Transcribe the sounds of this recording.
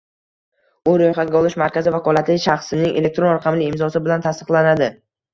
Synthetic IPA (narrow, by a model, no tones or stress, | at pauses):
ʊɾojχaɡʲaɒlˠɪʃmaɾkʲʰazɪvakʰɒlˠat̪lɪʃaχsɪnɪŋʔele̞k̚t̪ɾo̞nɾaqʰɑmlɪːmzɒsɪbɪlant̪ʰast̪ɨ̥qlanad̪ɪ